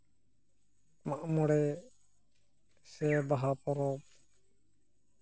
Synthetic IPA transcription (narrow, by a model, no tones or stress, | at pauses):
maʔmɔɽɛ | sɛbaɦapɔɾɔp